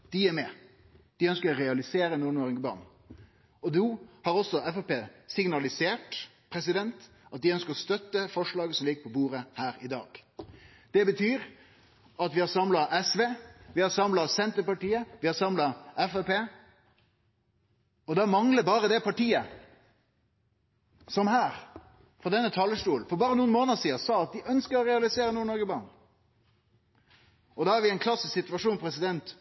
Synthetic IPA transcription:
d̪̥ɪæɾmɛ | d̪̥ɪœnskəɾɔɾɛɑlɪseːɾənuːnoːɾɪŋəbɑ̰ːn | ɔd̪uːhɑɾɔsːɔɛfɛpeːsɪŋnɑlɪseːʈ | pʰɾɛsɪd̪ɛnt̪ | ʔɑt̪̚d̪ɪœnskəɾɔst̪œt̪ːəfɔʂɭɑːɡəsɔmlɪɡəpʰɔbuːɾəhæːɾɪd̪ɑ̰ːɡ̥ | d̪̥ɛbət̪ʰyːɾ | ʔɑt̪ʋɪhɑɾsɑmlɑʔɛsʋeːʋɪhɑɾsɑmlɑsɛnt̪əɾpɑʈiːəʋɪhɑɾsɑmlɑɛfɛpeː | ɔd̪ɑːmɑŋləbɑːɾəd̪ɛpʰɑʈiːə | sɔmhæːɾ | fɔd̪ɛnːət̪ʰɑːlːəʂʈuːlnfɔɾbɑːɾənuːnmoːnəsiːəsɑːɑt̪̚d̪ɪʔœnskəɾɔɾɛɑlɪseːɾənuːɳɔɾɡəbɑɳ | ɔd̪ɑːæɾʋɪɛɪnkʰlɑsːɪssɪt̪ʉʋɑʂuːnpʰɾɛsɪd̪ɛnt̪

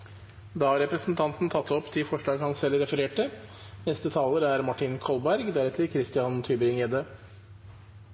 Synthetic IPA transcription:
d̪ɑːhɑɾɛpɾəsn̩t̪ʰɑnt̪n̩t̪ʰɑt̪ʰːɔpt̪ʰɪfɔʂɭɑːɡhɑnsɛlɾɛfəɾeːʈənɛst̪ət̪ʰɑːləɾæɾmɑʈɪnkʰɔlbæɾɡd̪æɾɛt̪ʰəkʰɾɪst̪ɪɑnt̪ʰyːbəɾɪŋeːd̪ə

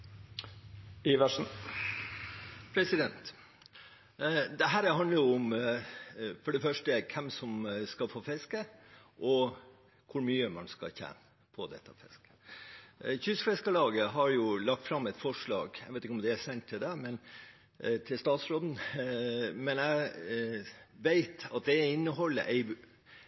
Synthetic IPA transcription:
iːʋæʂn̩ | pʰɾɛsɪd̪ɛnt̪ | d̪ɛɦæːɾhɑnd̪əɾjʊʊm | fɔɖɛfœʂʈəkʰɛmsɔmskɑlfoːfɛskə | ʔɔ | kʰʊɾmyːəmɑ̰nskɑ̰çɛ̰ːnə | pʰɔd̪ɛ̰t̪ːəfɛskə̥ | çʏsfɛskəlɑːɡəɦɑɾjʊlɑk̚t̪fɾɑmːɛt̪fɔʂɭɑ̰ːɡæɡʋeɪt̪ɪkəɔmd̪ɛæsɛnt̪ʰːɪld̪ɛmɛn | t̪ʰɪlst̪ɑːt̪sɾoːd̪n̩ | mɛnæ | ʋeɪt̪ɑt̪̚d̪ɛɪnːəɦɔlːə̰ʔɛɪ

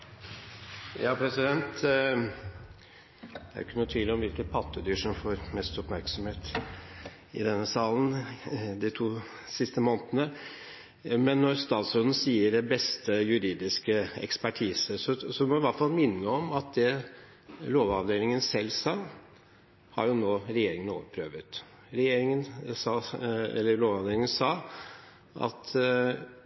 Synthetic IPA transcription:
jɑːpʰɾɛsɪd̪ɛnt̪ | ææ̰ɾɪkːənuːət̪ʰʋiːləɔmʋɪlkənpʰɑt̪ʰːəd̪yːʂɔmfoːɾmɛst̪ɔpmæɾksɔmheːt̪ | ɪ̰d̪ɛnːəsɑːlən̩d̪ɪt̪ʰuː | sɪst̪əmoːnt̪ənə | mɛnːɔɾst̪ɑːt̪sɾʉnən̩siːəɖɛbɛst̪əjʉɾiːd̪ɪskəɛ̰kspæʈʰiːsəsɔsɔʋɪmɔɪʋɑʈfɑlˠmɪnːəɔmɑt̪̚d̪ɛ | loːʋɑʋd̪eːlɪŋənsɛlːsɑː | hɑ̰ɾjʊnoːɾɛjeːɾɪŋəno̰ːʋəpʰɾøːʋət̪ | ɾɛjeːɾɪŋənsɑːɛ̰lːəɾloːʋɑʋd̪eːlɪŋənsɑː | ʔɑ̰t̪

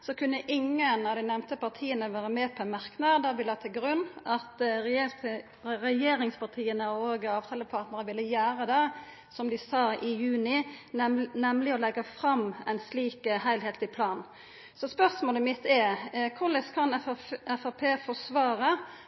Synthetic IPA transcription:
sɔkʰʉnːəʔɪŋːənɑʋd̪ɪnɛmt̪əpɑʁt̪ʰiːənəʋæːɾəmɛːpʰɔɛmɑɾknɑd̪ɑʋɪlːəhɑːt̪ʰɪlɡɾʉnːɑt̪ɾɛjɛlt̪ | ɾɛjeːɾɪŋspʰɑʁt̪ʰiːənəoːɡɑːʋt̪ʰɑːləpʰɑːɾt̪nəɾəʋɪlːəjæːɾəd̪ɛ | sɔmd̪ɪsɑːɪjʉːnɪ | nɛmlɪɔlɛɡəfɾɑmɛɪnsliːkəhæɪlɦeːt̪ɪpʰlɑːn | sɔspœɾsmoːləmɪt̪ːɛkʰʊləskʰɑnɛfɑpʰeːfɔsʋɑːɾə

